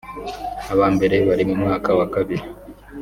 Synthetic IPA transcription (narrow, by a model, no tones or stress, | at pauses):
aβaːmbe̞ɾe̞βaɾimumŋaːkawakaβiɾi